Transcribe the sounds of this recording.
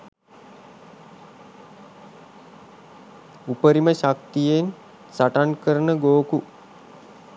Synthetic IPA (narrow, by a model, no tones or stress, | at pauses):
upəɾiməɕak̚t̪ijen | saʈankəɾənəɡoːku